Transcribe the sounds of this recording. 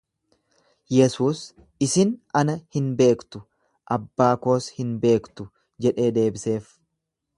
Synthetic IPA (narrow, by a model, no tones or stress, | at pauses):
jɛsuːs | ɪsɪnɐnɐhɪnbe̞ːkt̪ʊ | ʔɐbːaːko̞ːshɪnbe̞ːkt̪ʊ | d͡ʒɛᶑe̞ːd̪e̞ːbɪse̞ːf